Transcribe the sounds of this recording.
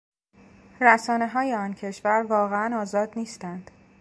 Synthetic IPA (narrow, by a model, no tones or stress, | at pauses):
ɾæsɒːne̞ɦɒːjeɒncʰe̞ʃvæɾvɒːɣeænɒːzɒːd̪niːst̪ænd̪̥